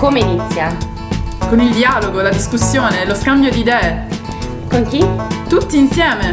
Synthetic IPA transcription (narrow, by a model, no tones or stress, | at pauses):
komeinit̪sːja | konild̪iaːloɡolad̪iskusːjoːneloskambjod̪id̪ɛːe | koŋkit̪ut̪ːiːnsjɛːme